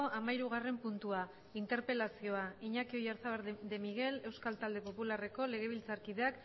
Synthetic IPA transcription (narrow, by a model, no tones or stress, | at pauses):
oʔamaiɾuɣ̞are̞mpunt̪ua | int̪e̞ɾpe̞lasio̞aiɲakio̞jaɾθaβeɾd̪e̞miɣe̞le̞wskalt̪ald̪e̞po̞pulare̞ko̞le̞ɣ̞e̞β̞ilt͡saɾkiðeak